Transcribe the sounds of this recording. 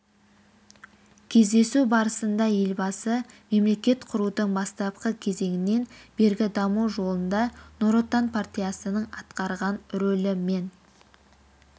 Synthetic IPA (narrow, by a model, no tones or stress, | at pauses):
kʲʰe̞zd̪e̞subɑɾəsənd̪ɑje̞lbɑsəme̞mle̞kʲe̞t̪qʰʊɾud̪əɴbɑst̪ɑp̚qəkʲʰe̞ze̞ŋɪne̞nbe̞ɾɡʲɪd̪ɑmuʒo̞lˠənd̪ɑno̞ɾo̞t̪anpʰart̪ʲijasənəɴɑt̪qɑɾʁɑnɾɵlɪme̞n